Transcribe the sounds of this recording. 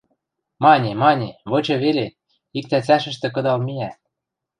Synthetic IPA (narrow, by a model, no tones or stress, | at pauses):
mɑnʲimɑnʲiβɤ̆t͡ɕɤ̆βele | ik̚t̪æt͡sæʃə̆ʃt̪ɘ̆k̬ɤ̆d̪ɑlmiæ